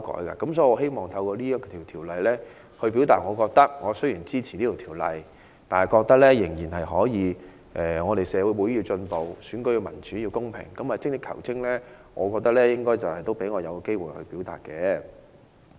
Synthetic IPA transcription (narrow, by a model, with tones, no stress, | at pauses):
kɔ̰ː˨˥jka̰ː˧kɐ˨˦msɔ˨˥i˧ɔː˨˧ɦe˥jmɔː˨˩ŋt̪ʰɐ˧wkɔː˧liː˥jɐ˥tkɔ˧t̪ʰiː˨˩wt̪ʰiː˨˩wlɐ˨jlɛː˥ | hɵ˧ɥpi˨˥wt̪aː˨t̚ŋɔː˨˧kɔː˧k̚t̪ɐ˥k̚ŋɔː˨˧sɵ˥jiː˨˩nt͡siː˥t͡sʰi̥˨niː˥t̪o˨˩tʰi˨˩wlɐ̰˨j | t̪aː˨nhɐ˨jkɔː˧k̚t̪ɐ˥k̚lɛː˥jɪ˨˩ŋjiː˨˩nhɐ˨jɦɔː˨˥jiː˨˧ | ʔɛː˨ŋɔː˨˧ɾe˨jsɛː˨˧wu˨˧˥jwu˨˧jjiː˧t͡ʃɵ˧npo˨wsyː˨˥nkɵ˥ɥkɛ˧mɐ˨˩nt͡ʃy˨˥jiː˧wkʊ˥ŋpʰɪ̰˨˩ŋkɐ˨˥maː˨˩t͡sɪ˥ŋ̚t̪ɪ˥kʰɐ̰˨˩wt͡sʰɪ˥ŋlɛː˥ | ŋɔː˨˧kɔː˧k̚t̪ɐ˥k̚lɛː˥jɪ˥ŋkɔː˥jt͡sɐ˨whɐ˨jt̪o˥wpe˨˥jŋɔː˨˧jɐ˨˧wke˥jwuː˨jhɵ̰˧ɥpi˨˥wt̪a̰ː˨t̚kɛː˧